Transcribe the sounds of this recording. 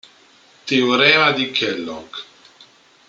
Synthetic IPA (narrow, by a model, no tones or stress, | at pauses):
t̪iuɾɛad̪ikʰɛlːɔ̰k